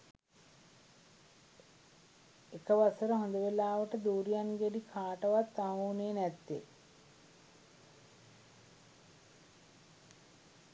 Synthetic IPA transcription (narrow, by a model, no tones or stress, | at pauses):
ekəʋasəɾəɦond̪əʋelaːʋəʈəd̪uːɾijanɡeɖikʰaːʈəʋat̪ːaɦuːneːnɛt̪ːḛ